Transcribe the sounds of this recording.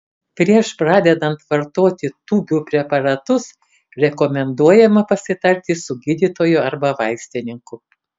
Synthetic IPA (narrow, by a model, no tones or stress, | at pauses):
pʲɾʲiɛʃpɾɑːd̪ʲɛd̪ɐnt̪ʋɐɾt̪oːt̪ʲɪt̪uːbʲuːpʲɾʲɛpɐɾɐt̪ʊs | ɾʲɛkɔmʲɛnd̪uɔjɛmɐpɐsʲɪt̪ɐɾʲt̪ʲɪsʊɡʲɪd̪ʲit̪oːjʊɐɾbɐʋɐɪsʲt̪ʲɪnʲɪŋkʊ